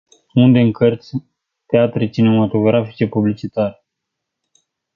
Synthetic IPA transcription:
und̪e̞ɨŋkərt̪sʲ | t̪eat̪ɾet͡ʃine̞mat̪o̞ɡɾafi̥t͡ʃe̞publit͡ʃit̪aɾe

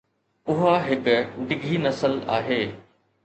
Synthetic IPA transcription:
ʊɦaɦɪkɖɪɡʱinɐsəla̰ːɦeː

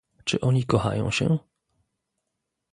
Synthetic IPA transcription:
t͡ʂɘʔɔɲikɔxa̰jɔ̰̃w̃ɕɛ̰

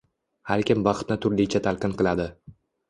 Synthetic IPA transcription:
haɾkʲɪmbɑχt̪nɪt̪ʰʊɾlɪt͡ʃʰat̪ʰalˠqɨnqɨlˠad̪ɪ

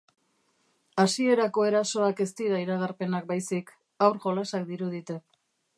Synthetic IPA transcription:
asie̞ɾako̞e̞ɾaso̞ake̞st̪iðaiɾaɣaɾpe̞nak̚bajsik | awɾʝo̞lasak̚d̪iɾuðit̪e̞

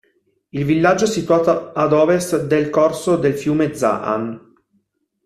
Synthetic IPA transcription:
ilvilːad͡ʒːoɛsit̪waːt̪oad̪ɔːvest̪d̪elkorsod̪elfjuːmed̪za̰ʔa̰n

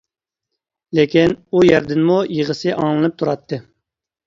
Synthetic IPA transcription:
lekʲinujæɾd̪ɪnmujəʁəsɨʔɑ̰ŋlˠɨnɨp̚t̪ʰuɾɑt̪ʰːɨ

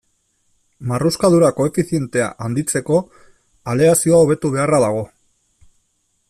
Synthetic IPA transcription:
maruskaðuɾako̞e̞fiθie̞nt̪e̞a̰ʔand̪it͡se̞ko̞ | ale̞asio̞ao̞β̞e̞t̪uβ̞e̞araðaɣ̞o̞

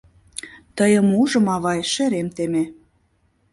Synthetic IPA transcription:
t̪əjə̆muʒə̆mɑβɑjʃĕɾemt̪eme

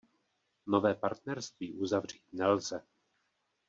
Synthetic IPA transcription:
novɛːpaɾt̪nɛɾst̪viːʔuzavr̝iːt̪nɛlzɛ

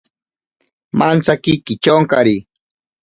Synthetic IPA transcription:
mʔant͡sakikɪt͡ʃoŋkaɾi

